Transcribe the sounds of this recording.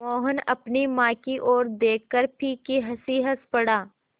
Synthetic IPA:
ɔːɦənɐ̰pnimãːkiʔoːɾd̪eːkːəɾpʰiːkiɦɐsiɦəspɐɽaː

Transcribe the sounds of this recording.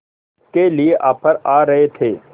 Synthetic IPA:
kelieʔaːpəɾaːɾɐɦet̪ʰeː

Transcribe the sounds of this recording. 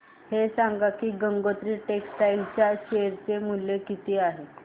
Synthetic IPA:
hesaŋɡakiːɡəŋɡot̪ɾiːʈeksʈailt͡ɕjaɕeɾt͡semuljekit̪iːaɦe

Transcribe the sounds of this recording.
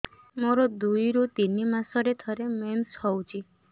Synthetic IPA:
moɾɔd̪ujɾut̪inimasɔɾet̪ʰɔɾemenshɔwt͡ʃʰi

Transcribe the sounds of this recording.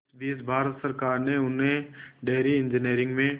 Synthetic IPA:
biːsbʱaːɾət̪səɾkaːɾneʊnɦẽɖeːɾiɪ̃ɲd͡ʒəniːɾɪ̃ŋɡmẽ

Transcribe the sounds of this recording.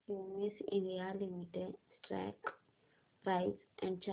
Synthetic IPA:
imisḭ̃nialimitɛdstɹɛ̰k | rajtsʔɛ̃nt͡ʃʰa

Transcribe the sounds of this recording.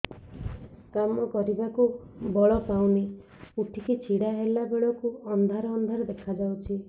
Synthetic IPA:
kamɔkɔɾibakubɔɭɔpawne | uʈʰikit͡ʃʰiɽaɦelabeɭɔkuɔnd̪ʱaɾɔːnd̪ʱaɾɔd̪ekʰad͡ʒawt͡ʃʰi

